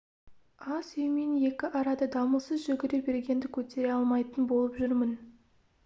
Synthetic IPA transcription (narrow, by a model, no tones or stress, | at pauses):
ɑsʏjmenje̞kʲɪʔɑɾɑd̪əd̪ɑməlˠsəzʒʏɡʲɪɾe̞be̞ɾɡʲe̞nd̪ɪkʲʰɵt̪e̞ɾeɑlˠmɑjt̪ənbo̞lˠəpʒʏɾmɪn